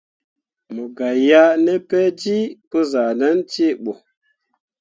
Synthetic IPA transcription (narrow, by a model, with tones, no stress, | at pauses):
mo˨ɡa˨ja˦ne˦pɛ˦d͡ʒi˦po˦za˨na˦nt͡ʃe˦˨ɓo˨